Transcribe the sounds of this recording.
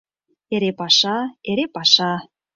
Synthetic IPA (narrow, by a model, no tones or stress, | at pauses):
eɾepɑʃɑeɾepɑʃɑ